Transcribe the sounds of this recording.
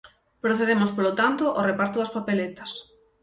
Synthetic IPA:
pɾoθeðemʊspolot̪ant̪oʔorepaɾt̪oðɐspapelet̪ɐ̥s

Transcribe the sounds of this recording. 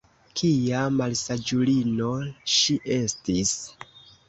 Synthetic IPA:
kʰijamalsad͡ʒulino̞ʃiʔe̞stis

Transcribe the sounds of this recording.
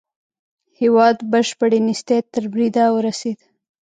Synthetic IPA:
hewɑd̪bəʃpəɽenist̪et̪əɾbɾid̪awəɾased̪

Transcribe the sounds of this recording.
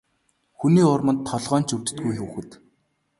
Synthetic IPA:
xuniːʊrmə̆nt̪ʰːɔɮʁœːn̥t͡ɕɵrt͡ɕɘ̥̆t̪̚ɡujxuwɘ̆xɘ̆t̪

